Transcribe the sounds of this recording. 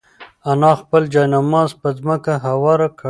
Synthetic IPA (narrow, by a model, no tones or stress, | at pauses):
anɑxpəld͡ʒɑjnamɑzpəzməkaɦawɑɾak